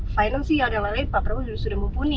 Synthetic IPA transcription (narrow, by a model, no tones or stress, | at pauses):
fajnəlsɪjadaŋlalaɪt̪̚papɾausudahsudahməmpuni